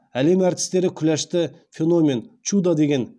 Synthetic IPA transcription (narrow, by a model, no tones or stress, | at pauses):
ælemæɾt̪ʰɪ̥sleɾɪkʲʰylæʃt̪ɪfenomʲe̞nt͡ʃʰud̪ɑd̪eɡʲen